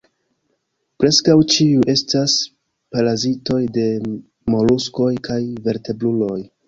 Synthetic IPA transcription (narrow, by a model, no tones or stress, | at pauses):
pɾe̞skawt͡ʃiuʔe̞stas | palazito̞jde̞ | mo̞lusko̞jkʰajve̞ɾte̞blulo̞j